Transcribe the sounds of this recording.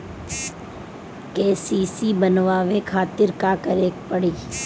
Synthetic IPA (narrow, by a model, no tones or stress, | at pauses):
keːsiːsibənʋaːʋekʰaːt̪ɪɾkaːkəɾeːk̚pəɽiː